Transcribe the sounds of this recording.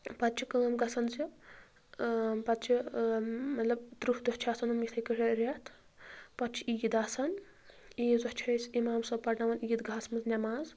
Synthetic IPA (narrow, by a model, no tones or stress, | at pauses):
pɐt̪t͡ʃʰikəːmɡɐsɐnzi | pɐt̪t͡ʃʰi | mɐt̪lɐb̚d̪ɾuhd̪ɔht͡ʃʰiaːsɐnumit̪ʰɐjkɨɾʲɐɾet̪ʰ | pɐtt͡ʃʰi̥ijid̪aːsɐn | izɐht͡ʃʰiɐjsimaːmsɐpɐɾnɐʋɐniːid̪ɡʱaːsmɐznʲɐmaːz